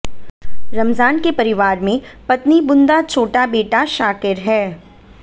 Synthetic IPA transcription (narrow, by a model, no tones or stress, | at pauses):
ɾɐmzaːnkepɐɾɪʋaːɾmẽpɐt̪nibʊnd̪at͡ʃʰoːʈabeːʈaʃaːkɪɾɦɛː